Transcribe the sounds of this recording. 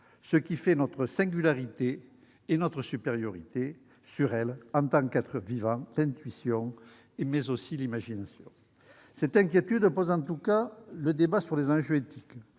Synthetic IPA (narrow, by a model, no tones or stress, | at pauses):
səkʲifɛnɔt̪χəsɛ̃ŋɡʲylaʁit̪eː | nɔt̪χəsypeʁjɔʁit̪e | syʁɛlɑ̃t̪ɑ̃kɛt̪χəvivɑ̃lɛ̃t̪ɥisjɔ̃ | emɛzosilimaʒinasjɔ̰̃ | sɛt̪ɛ̃ŋk̬ʲjet̪yd̪pɔzɑ̃t̪ukaləd̪ebasyʁlezɑ̃ʒøet̪ʰi̥k